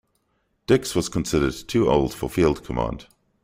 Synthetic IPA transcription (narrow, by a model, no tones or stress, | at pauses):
d̥ɪkswʌz̥kʰə̃nsɪɾə˞d̚tʰʉʔo̰ʊlˠd̥fəfilˠd̚kʰəmɑ̰̃nd̥